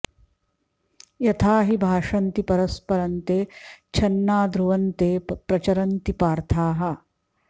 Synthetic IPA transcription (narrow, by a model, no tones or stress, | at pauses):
jɐt̪ʰaːɦibʱaːʂɐnt̪ipɐɾɐspɐɾɐnt̪eːt͡ʃʰɐnːaːd̪ɾuʋɐnt̪eːpɾɐt͡ʃɐɾɐnt̪ipaːɾt̪ʰaːɦɐ